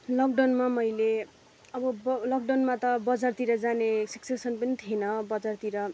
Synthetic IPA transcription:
lʌkɖʌnmamʌjle | ʌbʌbʌlʌk̚ɖʌnmat̪ʌbʌd͡zart̪iɾʌd͡zanesʌksesʌnpʌnit̪ʰienʌbʌd͡zart̪iɾʌ

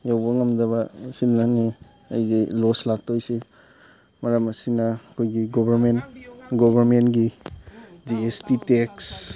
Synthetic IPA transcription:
jawbɐŋɐmdɐbɐsinːani | ɐjɡiloslak̚tojsi | mɐɾɐmɐsinɐɐkʰojɡiɡobʱɐɾmenɡobʱɐɾmenɡi | d͡ʒiestiteks

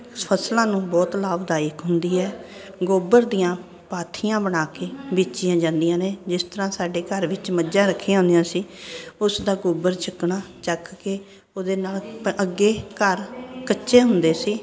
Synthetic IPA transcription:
pʰəslãːnũːbɔːt̪laːbd̪aːɪkɦʊnd̪iːɦɛː | ɡoːbəɾd̪ijãː | paːt̪ʰijãːbəɽ̃aːkeːbiːt͡ʃɪjãːd͡ʒãːnd̪ijãːneːd͡ʒɪst̪əɾãːsaːɖeːkəɾʋɪt͡ʃməd͡ʒd͡ʒãːɾəkʰːijãːɦʊnd̪ijãːsiːʊsd̪aːɡoːbəɾt͡ʃəkɳaːt͡ʃəkkeː | oːd̪eːnaːləɡːeːkəɾkətːʃeːɦʊnd̪eːsiː

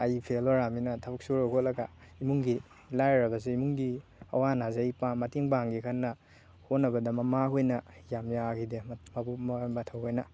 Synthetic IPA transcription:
ajpʰeloɾaminɐtʰabuk̚suɾakʰot̚lɐɡa̰imuŋɡi | lajɾɐbɐzeimuŋɡiɐ̰wanazeajpamɐtiŋpaŋɡikʰanːɐ | honːɐbɐdɐmɐmaɦojnɐjamjaɡidemabumɐtʰawhojnɐ

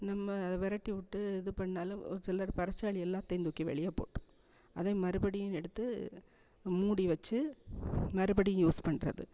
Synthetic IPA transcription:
nɐmːɐːðɛʋɛɾɐʈːiʋɪʈːɯɛðɯpɐɳːaːlɯ̃ɾsɛlːaːɾpɐɾɐt͡ʃːaːɭɪjɛlːãːt̪ɛɪnd̪ʊkːiʋɛ̰ɭɪjaːpo̰ːʈːʊ̥̃ | ʔɐðeːmɐɾɯbɐɽɪjʊ̃ɛɽɯt̪ːɯ | muːɽiʋɐt͡ʃːɯ | mɐɾɯbɐɽɪjɯ̃juːspɐɳːrɐ̰ðɯ̰

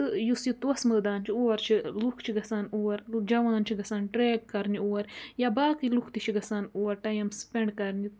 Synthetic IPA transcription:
t̪ɨjusjit̪wɐsməːd̪aːnt͡ʃʰioːɐɾt͡ʃʰilukʰt͡ʃʰiɡɐsaːnoːɐɾd͡ʒɐʋaːnt͡ʃʰiɡɐsaːnʈɾeːkkːɐɾnioːɐɾjabaːkilukʰt̪it͡ʃʰiɡɐsaːnoːɐɾʈɐjɐmspeɳɖkɐɾni

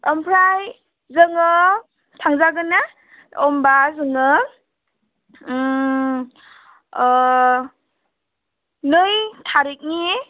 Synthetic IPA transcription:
əmpʰɾaj | zɯŋɯ | tʰaŋzaɡɯna | ɔmbazɯŋɯ | nɯjtʰaɾik̚ni

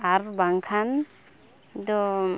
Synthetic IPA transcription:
aɾbaŋkʰan | d̪ɔ

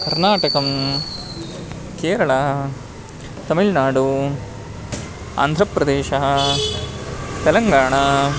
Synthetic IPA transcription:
kɐɾnaːʈɐkɐm | keːɾɐɭɐ | t̪ɐmilnaːɖu | a̰ːnd̪ʱɾɐpɾɐd̪eːʃɐɦɐ | t̪ɛlɐŋɡaːɳɐ

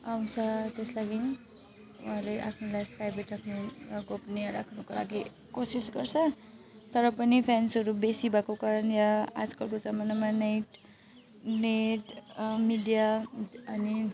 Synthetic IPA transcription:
aw̃t͡sʰʌt̪eslaɡini | ṵɦalejʔa̰pʰnulajpɾajbeʈʰakʰnuɡopneɾakʰnukola̰ɡi | kosisɡʌrt͡sʰʌ | t̪ʌɾʌpʌnipʰensɦʌɾubesibʱakokaɾʌnjaa̰d͡zkʌlkod͡zʌmʌnamanajʈ | neʈmiɖijaʌni

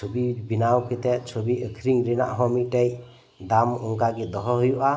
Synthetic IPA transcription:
ubibinawkʰɯt̪eʔt͡ʃʰobiɯkʰɾiŋɾina̰ʔɦɔmiʔ̚tej | d̪amɔŋkaɡid̪ɔɦɔɦɯjuʔa

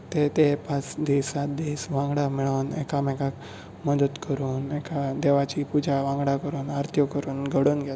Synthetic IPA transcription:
t̪et̪epat͡sd̪isat̪d̪isʋãŋɡɽamiɭənḛkamɛkak | məd̪ət̪kəɾuːnekad̪eʋat͡ɕipud͡ʑaʋãŋɡɽakəɾuːnaɾt̪ʰjɔkəɾuːnɡʱəɽuːnɡʱja

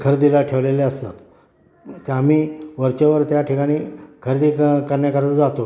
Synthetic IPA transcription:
kʰəɾd̪ilaʈʰeʋleleəst̪at̪ | t̪eamiːʋəɾt͡ɕaʋəɾt̪jaʈʰikaɽ̃iːkʰəɾd̪iːkəɾɳjakəɾt͡səd͡zat̪o

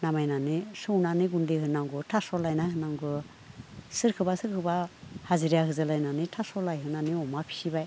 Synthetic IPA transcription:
namajnanisɯwnaniɡundehɯnaŋɡɯtʰasɔlajnahɯnaŋɡɯ | sɯɾkʰɯbasɯɾkʰɯbahaziɾjakhɯzɯlajnanitʰasɔlajɦɯnaniɔmapʰi̥sibaj

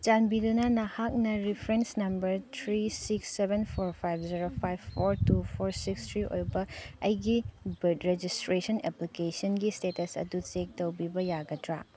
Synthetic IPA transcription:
t͡ʃanbidunɐnɐhak̚nɐɾipʰɾensnɐmbɐɾt̪ʰɾisiksːebenpʰoɾpʰajbʰziɾopʰajbʰoɾtupʰoɾsikstʰɾiʔo̰jbɐɐjɡibɐtɾed͡ʒistɾesɐneplikesɐnɡistetɐsɐ̰dut͡ʃek̚tɐwbibɐjaɡɐtɾa̰

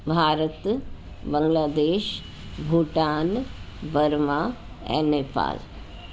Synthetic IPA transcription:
bʱaːɾət̪ | bə̃ŋɡlaːd̪eːʃ | bʱuːʈaːnbəɾmaː | ɛ̰̃nepa̰ːl

